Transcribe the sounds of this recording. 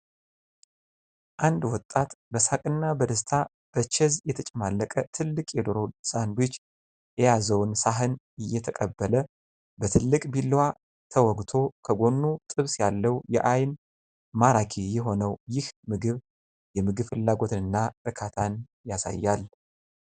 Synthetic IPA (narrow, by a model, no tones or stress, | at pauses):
ʔand̪wɔt̪ʼːat̪bəsakʼɨnːabəd̪əst̪ʰa | b̥ət͡ʃɛzjɛt̪ʰət͡ʃʼɛmalːəkʼət̪ʰɨlːɨkʼjɛd̪oɾowsahɨnbit͡ʃː | jɛjazəwnsaɦɨn | ɨjːɛt̪ʰəkʼəbːələ | bət̪ʰɨlːɨkʼbilːwa | t̪ʰəwɔɡt̪ʰo̞kʰəɡo̞nːut̪ʼɨβsjalːəwjɛ̰ʔajn | maɾakʰejɛɦo̞nəwjɪhmɨɡɨβ | jɛmɨɡɨβfɨlːaɡo̞t̪ɨnɨnːaɾɨkʰat̪ʰan | jasa̰jːal